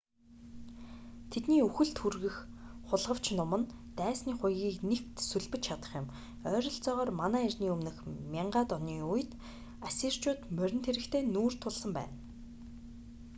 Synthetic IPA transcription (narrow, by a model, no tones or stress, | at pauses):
t̪ʰet̪niːɵxɘ̆ɮt̪xurɣɘ̆xχʊɮʁə̆w̥t͡ɕnʊmə̆n | t̪æːsniːχʊjɣʲiːknekt̪suɮpɘ̆t͡ɕt͡ɕʰat̪ə̥̆χjʊ̆m | œːɾʲɞ̆ɬt͡sɔːʁɔːrmanæːirʲniːɵmnɘ̆xmʲiɴɢaːt̪ɔniːuj̆t̪ | asiːr̥t͡ɕʊːt̪mœɾʲɪ̆nt̪ʰeɾɘ̆kt̪ʰeːnuːr̥t̪ʰʊɮsə̆mpæ̰ːn